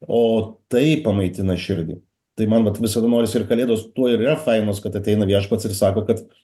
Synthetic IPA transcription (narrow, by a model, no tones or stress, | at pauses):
oːt̪ɐɪpɐmɐɪt̪ʲɪnɐɪʃʲɪɾʲɡʲɪ̰ | t̪ɐɪmɐnʋɐt̪ʋʲɪsɐd̪ɐnoːɾʲɪsʲɪɾkɐlʲeːd̪ɐʋoːst̪uɔɪɾiɾɐfɐɪnoːskɐt̪ɐt̪ʲɛɪnɐʋʲiɛʃpɐt̪sɪrsɑːkoːkɐt̪